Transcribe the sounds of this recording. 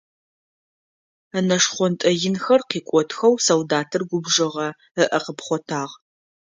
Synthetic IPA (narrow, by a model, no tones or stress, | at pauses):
ɐnɐʂχʷɔntʼɐjɪnxɐrqiːkʷʼɔtʰxɐwsɐwdaːtʰɨrɡʷʊbʐɐʁɐ | əʔɐqəpχʷɔtʰaːʁ